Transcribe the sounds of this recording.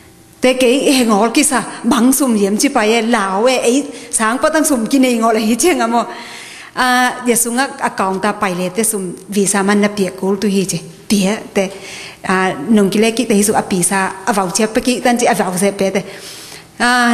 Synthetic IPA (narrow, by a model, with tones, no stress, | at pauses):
t̪ɛ˧˨ke˨˦jhɛ˧˨ŋɔ˨˦lki˧ʔsa˧˨ba˨˦ŋsu˧˨mji˨˦mt͡ʃi˧˨pa˧jɛ˧laː˨˩˨wɛ˧ʔe˨˦jsaː˨˦ŋpɔ˧t̪a˧ŋsu˧˩mki˧˨ne˧jŋɔ˧˨la˧hi˧˦t͡ʃʰɛ˧˦ŋa˧˨mɔ˧ | ʔa˧ja˧˨su˧ŋa˧a˧ka˨˩ŋt̪a˧pa˨jlɛ˧˨t̪ɛ˧su˧˩mvi˨sa˧ma˧˨nːa˧pi˨ə˨ʔku˨˦lt̪u˧hi˧˨t͡ʃi˨ | pi˨ə˦ʔt̪ɛ˧˨a˧˩no˨˩ŋki˧lɛ˦˧ki˧ʔ̚t̪ɛ˧hi˧su˧k̚ʔa˧pi˨sa˧ʔa˧va˨˩˨wt͡ʃʰi˧˦pːɛ˧ki˧ʔt̪a˧nt͡ʃi˧ʔa˧˨va˨˩ws̬ɛ˧pɛ˨t̪ɛ˧˨ | a˧